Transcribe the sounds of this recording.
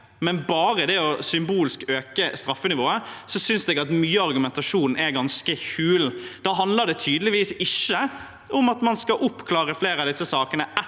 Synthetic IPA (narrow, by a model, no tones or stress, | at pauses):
mɛnbɑːɾəd̪ɛɔsʏmbuːlskøːkəst̪ɾɑfːənɪʋoːəsɔsʏnsd̪ɛːɡɑt̪myːəɑɾɡʉmɛnt̪ɑʂuːnn̩ɛɾɡɑnskəçʉːld̪̥ɑːɦɑnd̪ləd̪ɛt̪ʰyːd̪lɪʋiːsɪʃːə | ʊmɑt̪mɑnskɑʔʊpːkʰlɑːɾəfleːɾɑd̪ɪsːəsɑːkənəɛ